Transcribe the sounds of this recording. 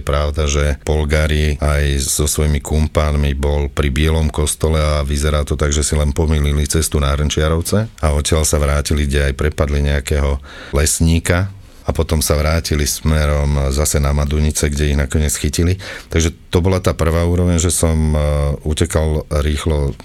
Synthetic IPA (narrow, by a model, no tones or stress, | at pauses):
pɾaʊd̪aʒɛpɔlɡaɾiajz̥ɔsʋɔjmikumpaːnmibɔlpɾibɪɛlɔmkɔst̪ɔlɛaʋizɛɾaːt̪ɔt̪aɡʒɛsilɛnpɔmiːlilit͡sɛst̪unaɦɾnt͡ʃɪaɾɔʊt͡sɛaɔcɪalsaʋɾaːciliɡɟɛajpɾɛpad̪liɲɛakɛːɦɔ | lɛsɲiːka | apɔt̪ɔmsaʋɾaːcilismɛɾɔmzasɛnamad̪uɲit͡sɛɡɟɛiɦnakɔɲɪɛt͡sxicilit̪aɡʒɛt̪ɔbɔlat̪aːpr̩ʋaːuːɾɔʋɛɲʒɛsɔmucɛkalɾiːxlɔ